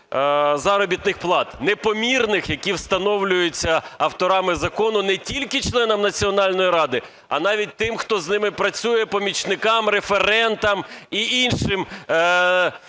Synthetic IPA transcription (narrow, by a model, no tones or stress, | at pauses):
zɑɾɔbʲit̪nɪxplˠɑt̪nepɔmʲirnɪxjɐkʲiwst̪ɐnɔwlʲʊjet͡sʲːɐɐwt̪ɔɾɑmɪzɐkɔnʊnɛtʲilʲkɪt͡ʃlˠɛnɐmnɐt͡sʲiɔnɑlʲnɔjiɾɑd̪ɪ | ɐ̰n̪ɑʋʲit̚ʲt̪ɪmxt̪ɔznɪmɪpɾɐt͡sʲujɛpɔmʲit͡ʃnɪkɑmrefeɾɛnt̪ɐmiʔinʃɪm